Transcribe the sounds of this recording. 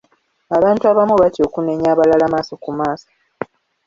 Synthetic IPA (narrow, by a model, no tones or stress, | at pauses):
aβaːntuaβamuβatjo̞ːkuneɲaβalalamaːso̞kumaːso̥